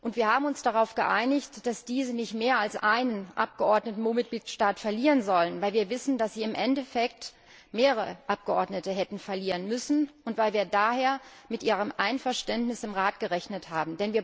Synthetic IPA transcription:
ʔʊntv̥iːɐhaːbm̩ʊnsd̥aʁaʊfɡ̥əʔaɪnɪçtd̥asd̥iːzənɪçtmeːɐalsʔaɪnənʔa̰p̚ɡ̥əʔɔɐdnətn̩omɪt̚ɡ̥liːtʃtaːtfɛɐliːʁənzɔlənvaɪlviːɐvɪsn̩d̥asz̥iːɪmʔɛntɛfɛk̚t | meːʁəʁəə̰ʔap̚ɡ̥əʔɔɐdnətəɦɛtn̩fɛɐliːʁənmʏsn̩ʔʊntv̥aɪlviːɐdaːheːɐmɪtʔiːʁ̞əmʔaɪnfɛɐʃtɛntnɪsɪmʁaːtɡ̥əʁɛçnəthaːbm̩dɛnviːɐ

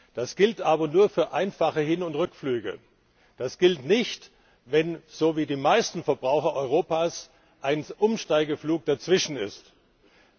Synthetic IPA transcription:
d̥asɡ̥ɪltʔaːbɐnuːɐfyːɐʔaɪnfaχəhɪnʊntʁʏkflyːɡə̰ | d̥asɡ̥ɪltnɪçt | vɛnz̥oːviːdiːmaɪstn̩fɛɐbʁaʊxɐʔɔʏʁ̞oːpaːs | ʔaɪnʔʊmʃtaɪɡɐfluːk̚d̥at͡sv̥ɪʃn̩ɪ̰st

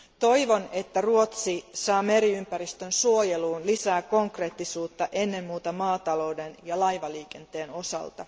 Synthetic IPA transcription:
t̪o̞jʋo̞ne̞t̪ːæruot̪sisɑːme̞ɾiympæɾist̪ønsuo̞jeluːnlisæːko̞ŋkre̞ːt̪ːisuːt̪ːɑʔe̞nːe̞mːuːt̪ɑmɑːt̪ɑlo̞wde̞njɑlɑjʋɑliːke̞nt̪e̞ːno̞sɑ̰lt̪ɑ

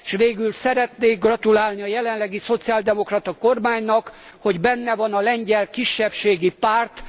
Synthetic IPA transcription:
ʃʋeːɡylsɛɾɛt̪neːɡrɒt̪ulaːlniɒjɛlɛnlɛɡiso̞t̪siaːld̪ɛmo̞krɒt̪ɒko̞rmaːɲnɒk | ho̞ɟbɛnːɛvɒnɒlɛɲɟɛlkiʃːɛpʃeːɡipaːrt̪

